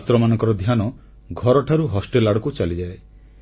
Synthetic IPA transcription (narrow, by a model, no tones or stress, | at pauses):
t̪ɾɔmanɔŋkɔɾɔd̪ʱjanɔ | ɡʱɔɾɔʈʰaɾuɦɔsʈelaɽɔkut͡ʃalid͡ʒae